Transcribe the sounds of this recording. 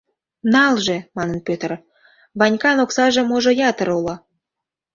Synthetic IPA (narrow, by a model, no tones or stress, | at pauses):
nɑlʒĕmɑnə̆npʲøt̪r | βɑnʲkɑnoksɑʒĕmoʒojɑt̪ə̆ɾulo